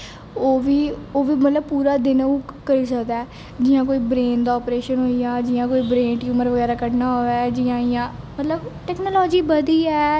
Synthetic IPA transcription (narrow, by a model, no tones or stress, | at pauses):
oːʋiːoːʋiːmət̪ləb̚puːɾaːd̪ɪnũːkəɾiːsəkd̪aː | d͡ʒɪjãːkoːiːbɾeːnd̪aːɔːpɾeːʃənɦoːiːaːd͡ʒɪːãːkoːiːbɾẽːɳʈjuːməɾʋəɡɛːɾaːkəʈnaːɦoʋɛːd͡ʒijãːɪjãː | mət̪ləbʈɛːknoːlɔːd͡ʒiːbəd̪iːɛː